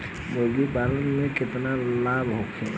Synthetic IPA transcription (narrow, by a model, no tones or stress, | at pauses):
boɡibaːlənmẽkɪt̪nalaːbɦokʰe